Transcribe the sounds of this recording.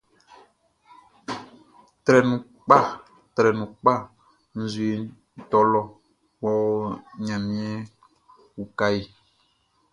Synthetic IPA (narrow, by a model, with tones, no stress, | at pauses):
t̪ɾɛ˨nũ˨ | k͡pa˦˨ | t̪ɾɛ˨nũ˨k͡pa˦˨ | n̩˨zu˨e˨˦˨ | t̪ɔ˦lɔ˦ | wɔ˦ɲã˨mĩ˦ɛ˦ | wu˨ka˦je˨